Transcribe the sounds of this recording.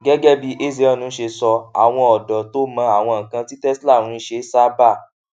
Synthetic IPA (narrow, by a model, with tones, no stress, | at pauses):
ɡɛ˦ɡɛ˦bi˧ʔe˦˨z̬e˨˦ɔ˦˨nũ˨˦ʃe˧sɔ˧a̰˨w̃ɔ̃˧ɔ˨dɔ˨to˦mã˧a˨w̃ɔ̃˧˨ŋ̩˨kã˧ti˦tɛ˦sla˦˨ɾ̃ũ˨˦ʃe˧˦sa˦ba˦˨